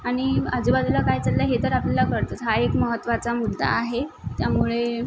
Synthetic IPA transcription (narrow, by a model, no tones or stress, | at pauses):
aɽ̃iad͡zubad̪ulakajt͡salːaɦet̪əɾaplalakəɾt̪ət̪ɦaekməɦət̪ːʋat͡samud̪ʱːa̰ːɦet̪jamuɭe